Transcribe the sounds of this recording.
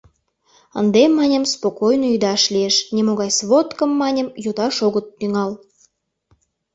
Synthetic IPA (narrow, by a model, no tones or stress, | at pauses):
ə̰nd̪emːɑnʲə̆mspokojnoyd̪ɑʃlʲieʃnʲemoɣɑjsβot̪kəmːɑnʲə̆mjut̪ɑʃoɣət̪ːyŋɑl